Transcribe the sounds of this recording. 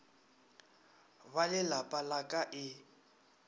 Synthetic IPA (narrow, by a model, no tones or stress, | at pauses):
balɪlapʼalakʼaʔɪ